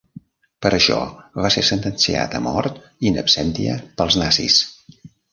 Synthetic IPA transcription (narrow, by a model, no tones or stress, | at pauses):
pəɾəʃɔ̰βaseɾsənt̪ənsia̰t̪əmɔɾt̪ | inəpsɛnt̪iəpəlˠznasḭs